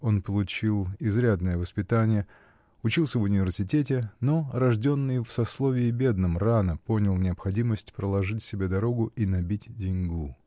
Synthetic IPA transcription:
o̞npəlˠʊt͡ɕilˠɪzɾʲad̪nəjəvəspʲɪt̪anʲɪjə | ʊt͡ɕilˠsʲəvʊnʲɪvʲɪrsʲɪtʲetʲɪno̞ɾɐʐdʲo̞nːɨjfsɐslˠovʲɪːbʲe̞d̪nɨmranəpo̞nʲɪlˠnʲɪɐpxɐdʲiməsʲtʲpɾəlˠɐʐɨtʲsʲɪbʲed̪ɐɾo̞ɡʊʔinɐbʲitʲdʲɪnʲɡu

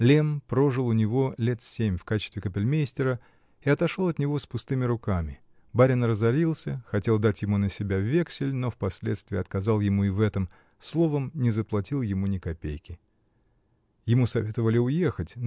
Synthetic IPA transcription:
lʲempɾo̞ʐɨlˠʊnʲɪvo̞lʲet̪sʲemʲfkat͡ɕɪ̥st̪vʲɪkəpʲɪlʲmʲejsʲtʲɪɾə | ɪɐt̪ɐʂolˠɐt̪nʲɪvo̞spʊst̪ɨmʲɪɾʊkamʲɪ | baɾʲɪnrəzɐɾʲilˠsʲəxɐtʲe̞lˠd̪atʲjɪmunəsʲɪbʲavʲe̞ksʲɪlʲnofpɐsʲlʲet̪st̪vʲɪːɐt̪kɐzɑlˠjɪmuɪvɛt̪əm | slˠo̞vəmnʲɪzəplˠɐtʲilˠjɪmunʲɪkɐpʲḛjkʲɪ | jɪmusɐvʲe̞t̪əvəlʲɪʊje̞xətʲ

